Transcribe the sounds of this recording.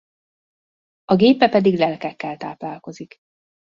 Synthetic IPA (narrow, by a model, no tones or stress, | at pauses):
ɒɡeːpːɛpɛd̪iɡlɛlkɛkːɛlt̪aːplaːlko̞zik